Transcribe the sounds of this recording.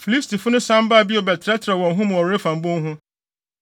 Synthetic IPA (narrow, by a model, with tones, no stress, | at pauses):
fi˨li˦stʰi˨fʊ˦nʊ̃˦sã˦m˦ba˦˨bi˦ɔ˨bɛ˨tʰɾɛ˦tʰɪɾɛ˨wɔ̃˨ŋ˨ɦʊ̃˦m̃˨ɔ˨ɾe˦fã˨m̩˦bõ˦ŋ˦ɦʊ̃˦